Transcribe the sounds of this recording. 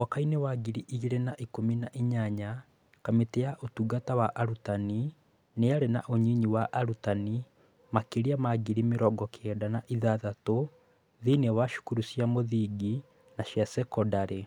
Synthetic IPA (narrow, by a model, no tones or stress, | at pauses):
wakainewaɡiɾiʔiiɾenaʔikominaʔiɲaɲa | kameteaʔotuɡatawaʔaɾutani | neaɾena̰ʔoɲiɲiwaʔaɾutani | makeɾiamaɡiɾimeɾɔɡɔkʰɛdanaʔiðaðato | ðinewaʃu̥kuɾusjamoðiɡi | naʃjasɛkɔdaɾe